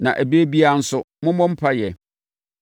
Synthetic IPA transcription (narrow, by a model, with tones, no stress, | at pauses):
nã̰˨ʔæ˨be˦bi˦a˨n̩˦sʊ˦ | mʊ̃˦mɔ̃˦m̩˦pʰa˦jɛ˨